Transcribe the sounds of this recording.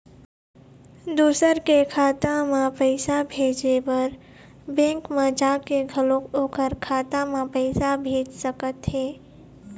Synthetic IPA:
d̪uːsəɾkekʰaːt̪ãmãpəɪsabʱeːd͡ʒebɐɾ | bɛ̃ːŋkmãd͡ʒaːkeɡʱəlõkoːkəɾkʰaːt̪amãpəɪsabʱeːd͡ʒsəkət̪ɦeː

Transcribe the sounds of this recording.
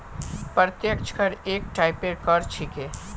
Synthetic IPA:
pɾət̪jəkt͡ʃʰkəɾeːkʈaɪpekəɾt͡ʃʰikeː

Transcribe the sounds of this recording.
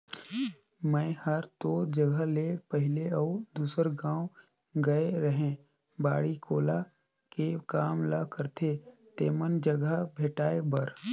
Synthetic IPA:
mɛ̃ɪhəɾt̪od͡ʒəɡəlepəɦɪleɔʊd̪uːsəɾɡãːw | ɡɐeɾəɦẽ | ba̰ːɽikʰoːla | kekaːmləkəɾt̪ʰet̪eːmənd͡ʒəɡəbʱeːʈaːebəɾ

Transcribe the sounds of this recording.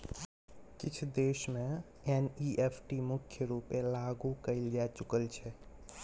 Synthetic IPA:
kɪt͡ʃʰd̪eːʃmẽ | eniʔepʰʈimʊkʰjəɾupelaɡukəɪld͡ʒat͡ʃukəlt͡ʃʰɛ

